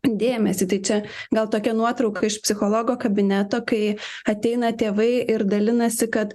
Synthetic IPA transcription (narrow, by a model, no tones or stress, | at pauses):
d̪ʲeːmʲɛsʲɪt̪ɐɪt͡ʃʲɛɡɐlˠt̪oːkʲɛnuɔt̪ɾɐʊkɐɪʃpʲsʲɪxoːlˠoːɡoːkɐbʲɪnʲæt̪oːkɐɪ | ɐt̪ʲɛɪnɐt̪ʲeːʋɐɪʔɪɾd̪ɐlʲɪnɐsʲɪkɐt̪